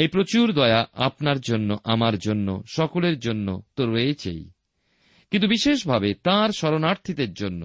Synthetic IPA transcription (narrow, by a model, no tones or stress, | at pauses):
ejpɾot͡ɕuɾd̪ɔeaʔapnaɾd͡ʑonːoʔamaɾd͡ʑonːo̰ʃɔkoleɾd͡ʑonːot̪oɾoet͡ɕʰḛj | kint̪ubiʃeʃbʱabet̪ãɾʃɔɾonaɾt̪ʰid̪eɾd͡ʑonːo̰